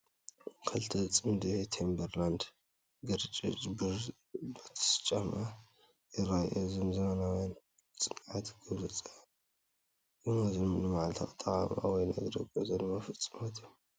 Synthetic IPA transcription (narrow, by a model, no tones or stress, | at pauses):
kʰɐlt̪ʰɐt͡sʼɨmd̪ihet̪ʰembɐɾland̪ | ɡɨɾt͡ʃʼḭt͡ʃʼbɨ | bɐt̪ʰɐ̥st͡ʃʼːɐma | jɨɾajʔozɨmzɐmɐnawan | t͡sʼɨnʕat̪ʰɡɐβlɐt͡sʼa | jɨmɐznnɨmaʕlt̪ʰa̰t̪ʼɐʕama̰wɔjnɐɡɾɐɡozɐlmafɨt͡sʼːɨmɐt̪ʰi